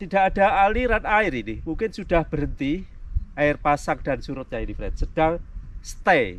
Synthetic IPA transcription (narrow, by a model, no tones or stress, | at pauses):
t̪id̥aʔad̥a̤aliɾanaɪɾinimuŋkɪnsuɖ̥ahb̥əɾənt̪iʔaɪrpasak̚d̥a̤nsuɾʊt̪̚ɲainifɾɛ̰t̪səd̥aŋst̪ɛ